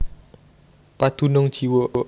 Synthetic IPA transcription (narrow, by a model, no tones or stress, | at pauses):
pad̪̥ṳnʊŋd̥ʒ̥i̤woʔ